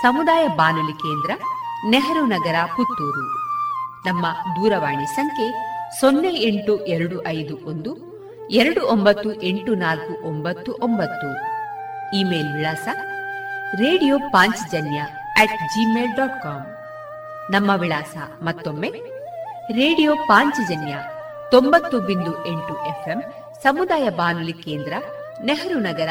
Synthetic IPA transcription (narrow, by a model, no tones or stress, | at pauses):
sɐmud̪aːjɐbaːnulikeːnd̪ɾɐneɦɐɾunɐɡɐɾɐput̪ːuːɾu | nɐmːɐd̪uːɾɐʋaːɳisɐŋkʰe̞sonːeeɳʈuʔeɾɐɽuʔɐjd̪uʔond̪u | ɛɾɐɽuʔombɐt̪ːuʔeɳʈunaːlkuʔombɐt̪ːuʔombɐt̪ːu | iːmeːlʋiɭaːsɐ | ɾeːɽijoːpaːɲt͡ʃid͡ʒɐnjɐ | ɛːʈd͡ʒimeːlɖaːʈ̚kaːm | nɐmːɐʋiɭaːsɐ̰ | mɐt̪ːomːe̞ | ɾeːɽijoːpaːɲt͡ʃid͡ʒɐnjɐ | t̪ombɐt̪ːubind̪uʔe̞ɳʈuʔepʰem | sɐmud̪aːjɐbaːnulike̞ːnd̪ɾɐ | neɦɐɾunɐɡɐɾɐ